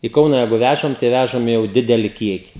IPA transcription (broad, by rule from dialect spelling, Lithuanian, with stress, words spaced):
ɪ ˈkɐʊnɐ ˈjɛɪɡʊ ˈʋʲæʒɐm tɐɪ ˈʋʲæʒɐm jɛʊ ˈdʲɪdʲɛlʲɪ ˈkʲiɛkʲɪ